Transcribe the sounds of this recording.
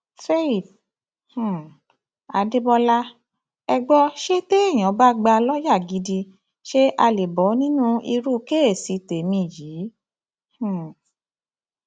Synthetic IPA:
fe˦i˨b̚ | h̩˨ | a˨˦de˦bɔ˧la˦ | ɛ˧ɡ͡bɔ˧ʃe˦te˦ẽ˦˨ɔ̃˨˦ba˦ɡ͡ba˧lɔ˦ja˦˨ɡi˨˦di˧ | ʃe˦ʔa˧le˨bɔ˨˦nĩ˦nũ˦i˧ɾu˦ke˦e˦˨si˨˦te˨mĩ˧˨jiː˨˦ | h̩˨

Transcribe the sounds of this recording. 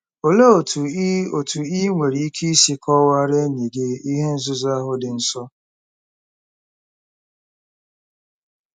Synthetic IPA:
o˨le˦o˨tu˨˦o˨tu˨i˦ŋʷe˨ɾi˨i˦kʰi˦i˦si˦kʰɔ˦wa˦ɾe˦ɲi˨ɡe˦i˦ɦe˦n̩˦zʊ˦za˦ɦʊ˦dɪ˨n̩˨sɔ˦

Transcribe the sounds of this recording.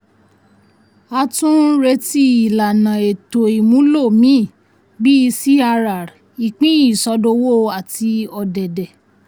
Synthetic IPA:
a˧tũ˦ɾe˧ti˧i˨la˨nã˨e˨to˨i˨mũ˨˦lo˦˨mĩ˨˦˨ | bi˦i˧si˦a˧ɾa˨ɾ | i˨k͡pĩ˦i˦˨sɔ˧do˧wo˦˧a˨ti˧ɔ˧dɛ˨dɛ˨

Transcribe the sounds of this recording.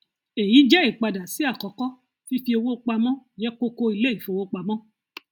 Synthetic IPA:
e˨ji˨˦d͡ʒɛ˦i˦˨k͡pa˧da˨si˨˦a˦˨kɔ˨˦kɔ˦ | fi˦fi˧o˧wo˦˧k͡pa˧mɔ̃˦d͡ʒɛ˦ko˦ko˧i˧le˦i˨fo˧wo˦k͡pa˧mɔ̃˦

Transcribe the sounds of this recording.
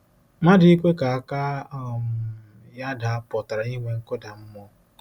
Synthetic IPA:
ma˦dɪ˨˦i˦kʷe˦ka˨a˦˨ka˦m˨ | ja˦da˨a˦pɔ˨ta˨ɾa˨ni˦ŋʷe˦ŋ̩˦kʊ˦da˨m̩˦mɔ˦

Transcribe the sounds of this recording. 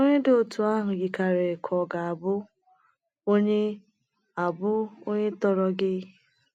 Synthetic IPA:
o˦ɲe˦do˨o˨tu˨a˦ɦʊ˨ɡi˨ka˨ɾe˨kʰɔ˨ɡa˨a˨bʊ˦ | o˦ɲe˦ | a˨bʊ˦o˦ɲe˦tɔ˨ɾɔ˦ɡɪ˦

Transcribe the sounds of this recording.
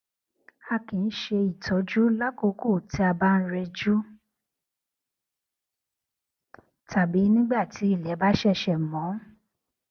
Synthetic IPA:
a˧kĩ˨˧n̩˦ʃe˧i˨tʰɔ˨˦d͡ʒu˦la˦ko˧˦ko˦˨ti˧˦a˧ba˦n̩˦ɾɛ˧d͡ʒu˦ | tʰa˨bi˨˦nĩ˦ɡ͡ba˦˨ti˨˦i˦˨lɛ˨˦ba˦ʃɛ˦˨ʃɛ˧˨mɔ̃˨˦

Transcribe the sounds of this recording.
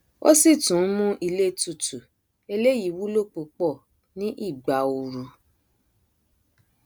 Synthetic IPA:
o̰˦si˦˨tũ˨˦mũ˦ʔi˧le˦tu˧˨tu˨ | e˧le˦ji˨˦wu˦lo˦˨k͡pu˧k͡pɔ˦˨ | nĩ˦ʔi˦˨ɡ͡ba˨o˧ɾu˨˧

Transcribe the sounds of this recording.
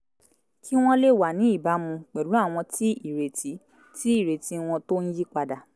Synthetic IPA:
kʰi˦w̃ɔ̃˦le˦˨wa˨nĩ˨˦i˦˨ba˨˦mũ˧k͡pɛ˨ɾu˨˦a˦˨w̃ɔ̃˧tʰi˦i˦˨ɾe˨ti˨˦ | ti˦i˦˨ɾe˨ti˨˦w̃ɔ̃˧to˦n̩˦ji˦k͡pa˧da˨

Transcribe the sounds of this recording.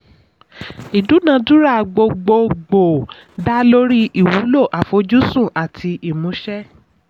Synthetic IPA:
i˨du˨˦nã˧˦du˦ɾa˦˨ɡ͡bo˧ɡ͡bo˧ɡ͡bo˨ | da˦lo˦ɾi˦i˨wu˨˦lo˦˨ʔa˨fo˧˦d͡ʒu˦sũ˦˨ʔa˨tʰi˧ʔi˨mũ˨˦ʃɛ˦

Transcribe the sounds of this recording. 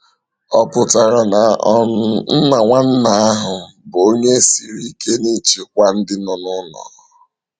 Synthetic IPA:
ɔ˦pʊ˨ta˨ɾa˨na˨ɔ˦n̩˦na˨ŋʷa˦n̩˦na˨a˦ɦʊ˨ | bo˦ɲe˦si˨ɾi˦kʰe˦ni˦t͡ʃi˨k̚ʷa˦n̩˦dɪ˦nɔ˨nʊ˦nɔ̰˨

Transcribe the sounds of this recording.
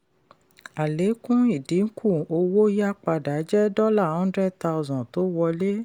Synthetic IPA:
a˨le˨˦kũ˦i˦˨di˨˦ŋ̩˦kʰũ˦˨o˧wo˦ja˦k͡pa˧da˨˦d͡ʒɛ˦dɔ˦la˦˨hɔ̃˦n˦dɾɛ˦d̚ta˧u˧zɔ̃˨to˨˦wɔ˧le˦

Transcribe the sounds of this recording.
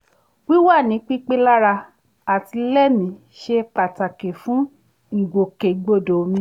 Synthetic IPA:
wi˦wa˦˨nĩ˨˦k͡pi˦k͡pe˦la˦ɾa˧ | a˨ti˧lɛ˦mĩ˧˦ | ʃe˧k͡pa˨ta˨ke˨fũ˨˦ | ŋ̩˨ɡo˨ke˨ɡ͡bo˧˨do˨mĩ˧

